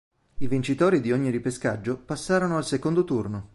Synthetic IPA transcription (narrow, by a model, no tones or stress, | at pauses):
ivint͡ʃit̪oːɾid̪ioɲːiɾipeskad͡ʒːopasːaːɾonoalsekond̪ot̪urno